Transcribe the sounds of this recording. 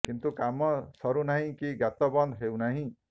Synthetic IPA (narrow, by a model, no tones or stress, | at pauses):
kint̪ukamːʌsʌɾunaɦĩkiɡat̪ːɔbʌnd̪ɦewnaɦĩ